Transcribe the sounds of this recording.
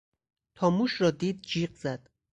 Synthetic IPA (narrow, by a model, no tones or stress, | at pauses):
t̪ʰɒːmuːʃɾɒːd̪iːd̪̚d͡ʒiːɢzæd̪̥